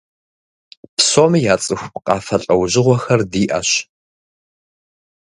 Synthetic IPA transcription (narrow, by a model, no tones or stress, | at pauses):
pʰsoːmijaːt͡sʼɨxʷqʼɑːfɐɬʼɐwʑɪʁʷɔxɐrdiːʔɐ̰ɕ